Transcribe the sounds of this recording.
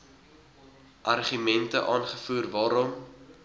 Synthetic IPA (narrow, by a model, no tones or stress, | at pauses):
ʔɐrχymɛntəʔɑːnχəfuːrvɑːɾɔm